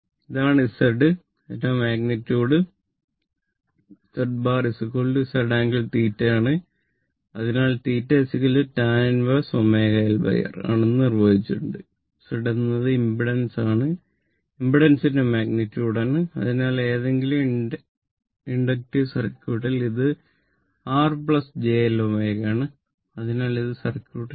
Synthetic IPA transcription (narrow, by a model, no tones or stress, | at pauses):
iðaːɳɨsɐɖɨ | ɐnɐmaːɡnitːuːɽɨ | sɐɖbaːrisɨkoɭɖɨsɐɖaːŋɡilt̪iːtːɐjaːɳɨ | ɐðinaːlt̪iːtːesikːɐlɨtaːnɐnʋɐsomeːɣɐjalbɐ̰jɐ̰ra̰ːɳenːɨnirʋɐðit͡ɕːiuɳɖɨ | sɐɽenːɐðɨimbiɽɐnsaːɳɨ | imbiɽɐnsindemaːɡnitʲːjuːɽaːɳɨɐ̰ðinaːle̞ːðe̞ŋɡilum | iɳɖɐk̚ʈisɐrɐkʲːuːɽɐliðɨ | aːrpɭɐsd͡ʑeːlomeːɣaːɳɨ | ɐðinaːliðɨsɐrɐkʲːuːɽ